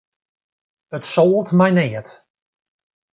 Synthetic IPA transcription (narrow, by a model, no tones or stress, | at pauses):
ətsoːəlˠtmɛjnɪːət